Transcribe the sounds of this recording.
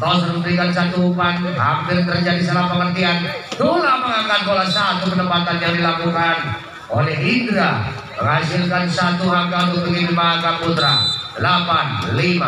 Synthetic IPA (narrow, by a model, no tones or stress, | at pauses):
t̪ɔsɾəŋpɾikans̬at̪uupan | ɦa̰mpɪrt̪ərd͡ʒadisəlahpəŋərt̪iant̪ulahməŋakat̪̚kolasat̪ukənəpat̪anjaŋdilakukan | onɛindɾa | məŋɦasilkansat̪uɦaɡamubəɡinimaɡaput̪ɾadəlapanlima